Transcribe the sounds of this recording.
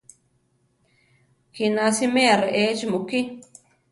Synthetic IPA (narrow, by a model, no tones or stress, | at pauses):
kinãsimẽaɾeʔet͡ʃimuki